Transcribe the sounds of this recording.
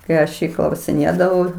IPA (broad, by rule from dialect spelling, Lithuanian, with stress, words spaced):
kɐɪ ˈɐʃ ˈjiː klˠɐʊsʲɪˈnʲeːdɐʋɐʊ